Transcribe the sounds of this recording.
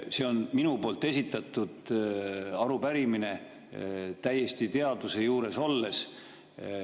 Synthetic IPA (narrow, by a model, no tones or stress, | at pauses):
se̞o̞nminupo̞ːlt̪ːˑe̞s̬ʲit̪ːˑɑt̪ːˑud̪̥ | ɑɾupæɾimine̞ | t̪æje̞st̪it̪e̞ɑd̪̥use̞juːɾe̞so̞lːe̞s